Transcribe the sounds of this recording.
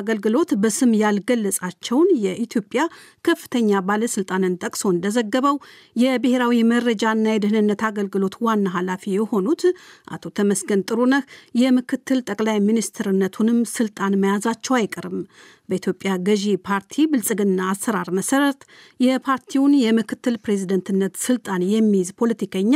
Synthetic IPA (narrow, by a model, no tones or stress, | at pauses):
ɡəlɡɨlo̞t̪bəsɨmjalɡəlːəsʼat͡ʃːɛwnjɛʔit̪ʰjo̞pʼjakʰəfːɨ̥t̪ʰəɲːabaləsɨlt̪ʼanɨnt̪ʼəkʼso̞ɨnd̪əzəɡːəβəw | jɛbɨhe̞ɾawiməɾːəd͡ʒaɨnːajɛd̪ɨhɨnɨnːət̪aɡəlɡɨlo̞t̪wanːaɦalafijɛho̞nut̪ʔa̰t̪ʰo̞t̪ʰəməsɡənt̪ʼɨɾunəhjɛmɨkʰɨt̪ʰːɨlt̪ʼəkʼlajminist̪ʰɨɾɨnːət̪ʰunɨmsɨlt̪ʼanməjazat͡ʃːɛwajkʼəɾɨm | bəit̪ʰjo̞pʼjaɡəʒipʰaɾt̪ʰibɨlsʼɨɡɨnːaːsːəɾaɾməsəɾət̪jɛpʰaɾt̪ʰiwnjɛmɨkʰɨt̪ːɨlpɾe̞zid̪ənt̪ʰɨnːət̪sɨlt̪ʼanjɛmːizpʰo̞lət̪ʰikʰəɲːa